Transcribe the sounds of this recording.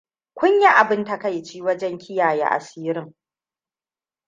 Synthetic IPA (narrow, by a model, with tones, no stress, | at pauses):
kʷʊ˦ɲja˦ʔa˨bɪ˦nta˨ka˦˨jt͡ʃiː˦wɐ˦d͡ʒɛ˦ŋkʲʰɪ˦jaː˨ja̰˦ʔa̰˨siː˦ɾɪ˦ŋ